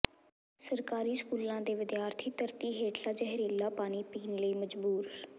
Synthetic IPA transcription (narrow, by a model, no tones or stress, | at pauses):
səɾkaːɾiːskuːlãːd̪eːʋɪd̪jaːɾt̪ʰiːt̪əɾt̪iːɦeːʈʰlaːd͡ʒəɦɾeːlaːpaːɽ̃iːpiːnləiːməd͡ʒbuːɾ